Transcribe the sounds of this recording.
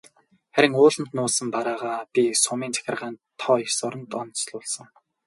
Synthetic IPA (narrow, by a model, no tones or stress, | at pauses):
χæɾʲɪ̆ŋʊːɮə̆n̥t̪nʊːsə̆mpaɾaːʁaːpʲisʊmiːnt͡sʰæ̥xʲɪ̆rʁaːnt̪ʰːɔːixsʊɾə̆nt̪ɔnt͡sɮʊːɮsə̆ŋ